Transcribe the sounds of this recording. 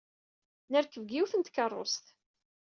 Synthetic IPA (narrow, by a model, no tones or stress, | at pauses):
nəɾkəvɡiwθənt̪kərˤːo̰st̪